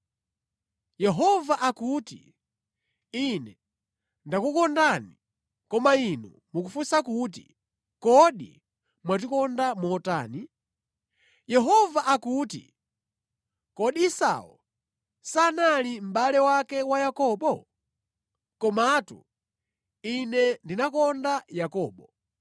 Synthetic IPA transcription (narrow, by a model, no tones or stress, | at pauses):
jɛɦɔvaʔakutḭ | inɛ | ndakukɔndani | kɔmainu | mukufusakut̬ḭ | kɔɗḭ | mwatikɔndamɔta̰ːni | jɛɦɔvaʔakutḭ | kɔɗiisa̰ɔ̰ | sanalim̩ɓalɛwakɛwajakɔːɓɔ | kɔmatṵ | inɛndinakɔndajakɔːɓɔ